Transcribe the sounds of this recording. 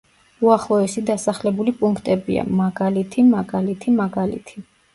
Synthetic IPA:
uaχlˠɔɛsid̪asaχlɛbulipʼuŋkʰt̪ʼɛbḭa̰maɡalit̪ʰimaɡalit̪ʰimaɡalḭt̪ʰi

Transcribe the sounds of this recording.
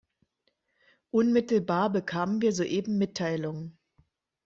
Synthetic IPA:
ʔʊnmɪtl̩baːɐbəkʰaːmənviːɐzoːʔeːbm̩mɪtʰːaɪlʊŋə

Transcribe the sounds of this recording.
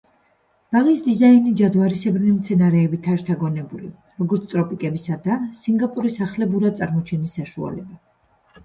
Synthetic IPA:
b̥alisd̪izainid͡ʒad̪vwaɾisɛbɾnimt̪sʰɛnaɾɛːbit̪ʰaʃt̪ʰaɡɔnɛbulḭ | ɾɔɡɔɾt̪sʰt̪ʼɾɔpʼikʼɛbisad̪asiŋɡapʼuɾisaχlɛbuɾad̪t̪sʼaɾmɔt͡ʃʰɛnisːaʃua̰lɛba

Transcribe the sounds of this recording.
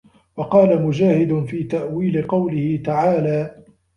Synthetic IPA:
wɑqɑːlamʊd͡ʒaːhɪd̪ʊnfiːt̪aʔwiːlɪqɑwlɪhɪt̪aʕaːlaː

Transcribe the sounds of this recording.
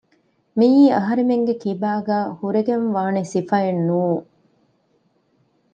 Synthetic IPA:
miːɐɦɐɾemeŋɡekibaːɡæːhuɾeɡemʋaːnesifɐenːuːŋ

